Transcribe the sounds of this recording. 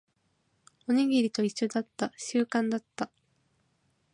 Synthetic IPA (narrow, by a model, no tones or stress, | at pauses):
o̞ɲ̟iɡʲiɾʲit̪o̞iɕːo̞d̪at̪ːaɕɨːkãnd̪at̪ːa